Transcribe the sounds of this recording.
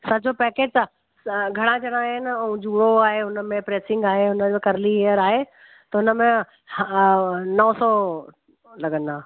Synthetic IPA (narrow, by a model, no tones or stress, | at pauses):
sɐd͡ʑʱopɛːkeːd͡ʑ̪ | ɡʱɐɽ̃ãd͡ʑɐɽ̃ãːɦɪnũd͡ʑuːɽoaːɦeʊnəmẽpɾeːsɪ̃ŋɡaːɦeɦʊnəd͡ʑkɐɾlieːəɾaːɦe | t̪ɐʊnəmẽ | nɐ̃sɔː | lɐɡə̃nd̪ãː